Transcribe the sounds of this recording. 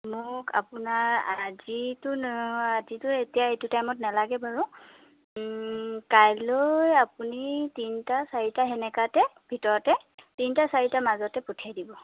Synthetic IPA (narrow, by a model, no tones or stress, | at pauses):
mʊka̰pʊnaɹazitʊazitʊetijaetʊtajmɔtnalaɡɛbaɹu | kajlojapunitintasaɹitaɦɛnɛkatɛ | bʱitɔɹɔtɛ | tintasaɹitamazɔtɛputʰiajdibɔ